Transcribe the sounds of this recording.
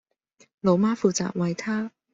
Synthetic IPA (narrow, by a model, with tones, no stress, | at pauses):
lo˨˧wmaː˥fuː˨˧t͡sa̰ː˨k̚wɐ˨jt̪ʰaː˥